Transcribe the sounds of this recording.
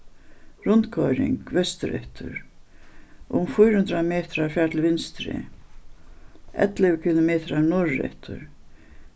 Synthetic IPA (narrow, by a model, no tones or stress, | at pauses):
ɾʊnt̪kʰɔjɾɪ̰ŋkvɛst̪ʏɾɛ̰ht̪ʰʏ̰ɾ | ʔʊmfʊjɾhʉnt̪ɾamɛːt̪ɾaɾfjaːt̪ʰɪlvɪnst̪ɾɪ̰ | ɛ̰t̪lɪɣkʰɪlomɛːt̪ɾaɾnɔɹːɛ̰ht̪ʰʏ̰ɾ